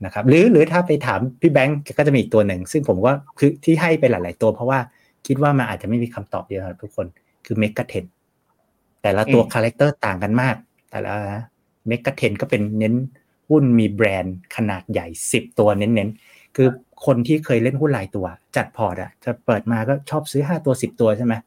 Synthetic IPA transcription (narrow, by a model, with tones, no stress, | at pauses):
na˦˥kʰa˦˥p̚ɾɯː˨˩˦ɾɯː˨˦t̪ʰaː˥˩pa˧jt̪ʰaː˩˦mpʰiː˥˩bɛ˦˥ŋkːkɔː˥˩t͡ɕa˨˩mi˧˨˩k̚t̪u˧ɐ˧nɯ˨˩ŋsɯ˥˩ŋpʰo˨˩˦mkɔː˥˩kʰɯː˧t̪ʰiː˥˩ɦa˥˩jpa˧jlaː˩˦jlaː˨˩˦jt̪u˧ɐpʰɾɔ˦˥waː˥˩ | kʰi˦˥t̪̚waː˥˩ma˧nʔaː˨˩t͡ɕa˨˩ma˥˩jmiː˧kʰa˧mt̪ɔ̰ː˨˩p̚di˧kʰa˦˥˩t̪ʰu˦˥kʰːo˧n | kʰɯː˧me˦˥kːa˧t̪ʰe˧˥n | t̪ɛː˨˩la˦˥t̪u˧ɐkʰaː˧le˦˥k̚t̪ɤː˥˩t̪aː˨˩ŋka˧nmaː˥˩k̚ | t̪ɛ̰ː˨˩la̰˦a˦˥ | me˦˥kːa˧t̪ʰe˧nkɔː˥˩pe˧nːe˦˥n | hu˥˩nmiː˧bɾɛː˧nkʰa˧naː˨˩t̪̚ja˨˩jsi˨˩p̚t̪u˧ɐne˦˥nːe˦˥n | kʰɯː˧ | kʰo˧nt̪ʰiː˥˩kʰɤː˧jle˥˩nhu˥˩nlaː˨˦jt̪u˧ɐ˨˩t͡ɕa˨˩t̪̚pʰɔː˨˩t̪̚a̰˨˩t͡ɕa˨˩pɤː˨˩t̪̚maː˧kɔː˥˩t͡ɕʰɔː˥˩p̚sɯː˦˥ɦaː˥˩t̪u˧ɐsi˨˩p̚t̪u˧ɐt͡ɕʰa˥˩jma˦˥